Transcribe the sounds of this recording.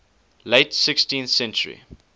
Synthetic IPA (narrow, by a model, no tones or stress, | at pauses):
leɪtsɪkstĩnθsɛ̃nt͡ʃəɹḭ